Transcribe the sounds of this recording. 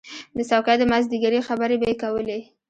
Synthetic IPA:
d̪əsawqjad̪əmazd̪iɡaɾixabəɾebajekawəle

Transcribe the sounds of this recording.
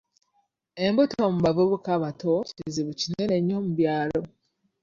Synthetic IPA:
e̞mbutomuβavuβukaβatoiziβucineneɲːomuβjaːlo̞

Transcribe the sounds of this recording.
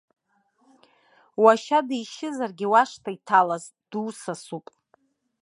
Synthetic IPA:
waʃadijʃɪzarɡʲɪwaʂtʰaitʰalaz | d̥uːsasupʼ

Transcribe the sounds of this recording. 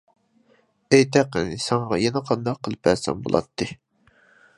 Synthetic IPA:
ɛjt̪ʰæqːə̰nɪsɛɴʁɑjɛnɛqʰɑnd̪ɑqʰːəlˠɨpæɾsɛ̰mbo̰lˠʔɑ̰t̪ʰːɨ

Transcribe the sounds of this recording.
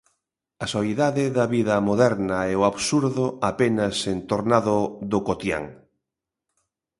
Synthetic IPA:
ɐsoiðaðɪðɐβiðɐmoðɛɾnɐɛoaβsuɾðʊapenɐsent̪oɾnaðʊðokot̪ja̰ŋ

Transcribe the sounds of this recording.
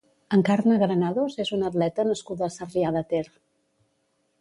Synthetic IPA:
əŋkaɾnəɣɾənaðozezunət̪lɛt̪ənəskuðəːsəriaðət̪eɾ

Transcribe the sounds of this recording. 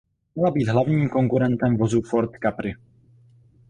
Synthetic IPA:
mɲɛlabiːd̪ɦlavɲiːmko̞ŋkuɾɛnt̪ɛmvozufoɾt̪kapɾɪ

